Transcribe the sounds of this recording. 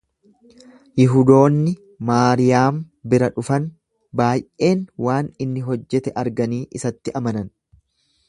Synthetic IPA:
jɪɦʊd̪o̞ːnːɪ | maːɾɪjaːm | bɪɾɐᶑʊfɐn | baːjʔe̞ːnwaːnɪnːɪɦɔd͡ʒːɛt̪ɛʔɐɾɡɐniːʔɪsɐt̪ːɪʔɐmɐnɐn

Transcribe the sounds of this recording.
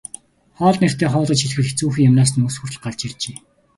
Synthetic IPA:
χɔːɮner̥t̪eːχɔːɮə̆t͡ɕxiɮxɘ̆ɮɘ̆xt͡suːxĭŋjamnaːs̬nuːsxurɮɢaɮt͡ɕirt͡ɕeː

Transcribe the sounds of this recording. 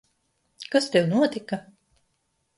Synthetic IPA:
kast̪ewnuɔt̪ʲika

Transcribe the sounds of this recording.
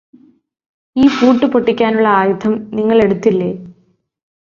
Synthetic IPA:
iːpuːʈːɨpoʈːikʲːaːnuɭːɐaːjut̪ʰɐmniŋːɐɭe̞ɽut̪ːilːeː

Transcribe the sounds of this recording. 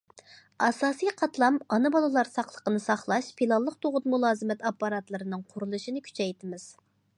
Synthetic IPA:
ɑsɑːsijqʰɑt̪lˠɑmɑnɨbɑlˠɨlˠɑɾsɑχlˠə̥qənɨsɑχlˠɑʃpʰilˠɑlˠːəqt̪ʰoʁʊt̪mulˠɑːzɨmɛt̪ɑpːɑɾɑt̪lˠɨɾɨnɨŋqʰʊɾulˠɨʃinɨkʲʰy̥t͡ʃʰɛjt̪ʰɪmɪz̥

